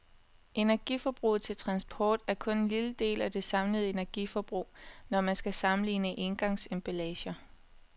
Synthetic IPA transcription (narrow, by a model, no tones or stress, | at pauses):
ʔe̝næɐɡ̥ḭfɒb̥ʁṵːð̩ˠt͡sʰe̝lt͡sʰʁɑ̈nsb̥ʰɒ̰ːd̥æɐkʰɔ̽ne̝nliləd̥e̝̰ːlæd̥e̝sɑ̈mləð̞̩ˠe̝næɐɡ̥ifɒb̥ʁṵːnɒmænsɡ̥æsɑ̈mn̩lḭːnəʔe̝nɡ̥ɑ̈ŋsemb̥ælɛːɕɐ